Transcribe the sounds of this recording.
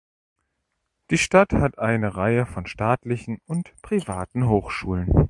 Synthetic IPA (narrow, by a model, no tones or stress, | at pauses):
d̥iːʃtathatʔaɪnəʁaɪəfɔnʃtaːtlɪçn̩ʊntpʁ̥ivaːtn̩ɦoːxʃuːlən